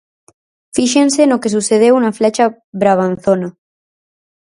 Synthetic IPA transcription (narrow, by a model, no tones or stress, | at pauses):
fiʃensenokes̬useð̞ewunaflet͡ʃa | βɾaβ̞anθona